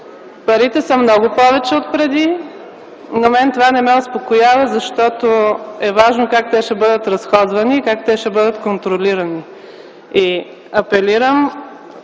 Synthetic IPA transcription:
pɐɾit̪ɛsəmnɔɡʊpɔvɛt͡ʃɛot̪̚pɾɛd̪i | nɐmɛnt̪ovanɛmɛospokojavəzɐʃt̪ɔt̪oɛvaʒnokak̚t̪ɛʃɛbɤd̪ət̪ɾɐsxɔd̪vɐniːkakt̪ɛʃɛbɤd̪ət̪kont̪ɾoliɾɐni | i | ɐpɛliɾəm

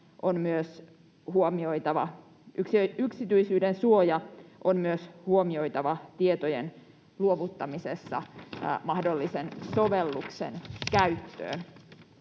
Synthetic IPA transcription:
ʔonmyøs | ɦuomio̞jt̪ɑʋɑ̰ | ʔyksiyksit̪yisyːdensuojɑʔonmyøshuomio̞jt̪ɑʋɑt̪iet̪ojḛn | luoʋut̪ːɑmisesːɑ̰mɑhdolːisensoʋelːuksḛnkæɥt̪ːø̰ːn

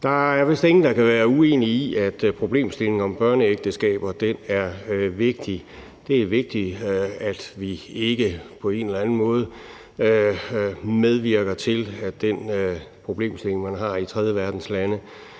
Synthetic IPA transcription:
d̥ɑ̈æɐʋe̝sd̥e̝ŋn̩d̥ɑ̈kæʋæːɐue̝̰ːniiʔæd̥pʰʁo̝b̥le̝̰ːmsd̥e̝le̝ŋɒ̽mb̥ɶɐnəeɡ̥̚d̥əsɡ̥ɛ̰ːb̥ɐd̥enæɐʋe̝ɡ̥̚d̥i | d̥e̝æʋe̝ɡ̥̚d̥iæd̥ʋie̝ɡ̥əpʰɒ̽e̝nelæn̩mɔ̽ːð̞̩ˠ | með̞ˠʋiɐɡ̥ɐt͡sʰe̝læd̥enpʰʁo̝b̥le̝̰ːmsd̥e̝le̝ŋmænɦɑ̈it͡sʰʁɛð̞ˠjəʋæɐd̥n̩slænə

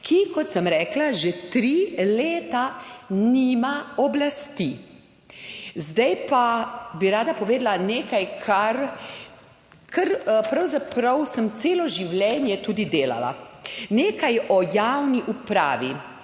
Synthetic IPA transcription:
kʰikɔt̪səmɾɛːklaʒɛt̪ɾileːt̪aniːmaɔblast̪i | zd̪ajpabiɾaːd̪apɔʋeːd̪laneːkajkʰaɾ | kəɾpɾawzapɾɐwsəmt̪seːlɔʒiwljɛːnjɛt̪uːd̪id̪eːla̰la̰neːkajɔjaːwniʔupɾa̰ːʋi

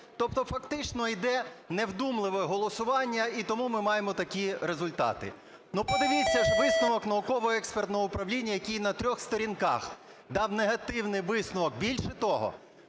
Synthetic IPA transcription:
t̪ɔp̚t̪ɔfɐkt̪ɪt͡ʃnɔid̪ɛnewd̪umlˠɪʋɛɦɔlˠɔsʊʋɑnʲːɐit̪ɔmumɪmɑjemɔt̪ɐkʲiɾezʊlʲt̪ɑ̰t̪ɪ̰ | nupɔd̪ɪʋʲit͡sʲːɐʒʋɪsnʊʋɔknɐʊkɔʋɔɛkspert̪nɔɦɔʊpɾɐwlʲinʲːɐjɐkʲijnɐt̪ɾʲɔxst̪ɔɾʲinkɑ̰x | d̪ɑwneɦɐt̪ɪwnɪjʋɪsnʊʋɔk̚bʲilʲʃɛt̪ɔɦɔ̰

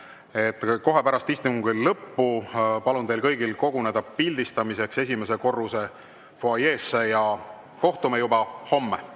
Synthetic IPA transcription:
e̞t̪ːˑko̞ɦe̞pæɾɑst̪ist̪imuŋɡ̥illɤpːupɑlund̪elkɤjɡilko̞ɡune̞d̪ɑpilʲd̪ist̪ɑmise̞kse̞sʲime̞s̬e̞ko̞rːuse̞ | foɑjeːsːejɑ | ko̞ht̪umejubɑho̞mːe

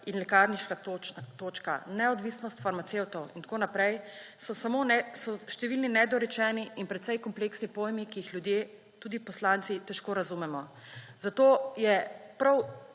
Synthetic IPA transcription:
inlɛkaɾniʃkat̪oːt͡ʃka̰nɛɔd̪ʋiːsnɔst̪faɾmat̪ewt̪ɔwint̪koːnapɾɛjsɔsamonɛsɔʃt̪ɛʋilninɛd̪ɔɾɛt͡ʃɛːniinpɾɛt̪sɛjkɔmpleksnipoːjmikijixlʲjud̪je | t̪uːd̪ipɔslant̪sit̪ɛʃkoːɾazumɛmɔ | zat̪oːjɛpɾaw

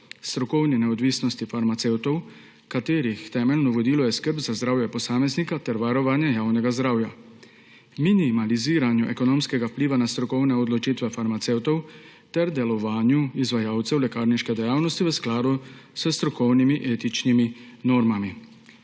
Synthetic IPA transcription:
st̪ɾɔkɔwnɛnɛɔd̪ʋiːsnɔst̪ifaɾmat̪sewt̪ɔw | kat̪eːɾixt̪ɛːmɛlnɔʋɔd̪iːlɔjɛskəɾpzazd̪ɾaːwjɛpɔsaːmɛznikat̪ɛɾʋaɾɔʋaːnjɛjaːwnɛɡazd̪ɾaːwja | minimaliziːɾanjuʔɛkɔnoːmskɛɡawpliːʋanast̪ɾɔkɔwnɛɔd̪lɔt͡ʃit̪ʋɛfaɾmat̪sewt̪ɔw | t̪ɛɾd̪ɛlɔʋaːnjuizʋajaːwt̪sɛwlɛkaːɾniʃkɛd̪ɛjaːwnɔst̪iʋəsklaːd̪usəst̪ɾɔkɔwnimiʔeːt̪it͡ʃniminɔːɾmami

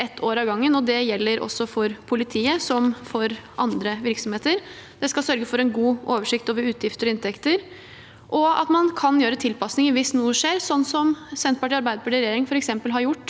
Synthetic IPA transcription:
ɛt̪ʰːoːɾɑʋɡɑŋːənɔd̪ɛjɛlːəɾʔɔ̰sːɔfɔɾpʰʊlɪt̪ʰiːəsɔmfɔɾʔɑ̰nd̪ɾəʋɪɾksɔmheːt̪əɾ | d̪ɛskɑsœɾɡəfɔɾɛnɡuːoːʋəʂɪkt̪oːʋəɾʉːt̪ʰjɪft̪əɾɔɪnt̪ʰɛkt̪əɾ | ʔɔɑ̰t̪mɑnkʰɑnjøːɾət̪ʰɪlpɑsnɪŋəɾʋɪsnuːəʂeːɾsɔnːsɔmsɛnt̪̚pɑʈiɑɾbæɪd̪əpʰɑʈiːɾɛjeːɾɪŋfɔɾɛksɛmpəlɦɑɾjʊʈː

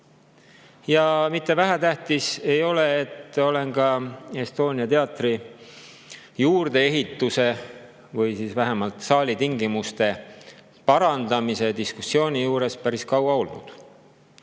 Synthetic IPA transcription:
jɑmit̪ˑːe̞væɦæt̪æht̪ise̞jo̞le̞ːt̪ːˑo̞le̞nkɑe̞st̪o̞ːnʲiɑt̪e̞ɑt̪ri | juːrd̪e̞e̞ɦit̪ːˑuse̞ | vɯjsiːsvæɦemɑlt̪sɑːlʲit̪iŋɡimust̪e̞ | pɑɾɑnd̪ɑmise̞d̪iskusːio̞ːnʲijuːɾe̞spæɾiskɑwɑo̞lnṵd̪̥

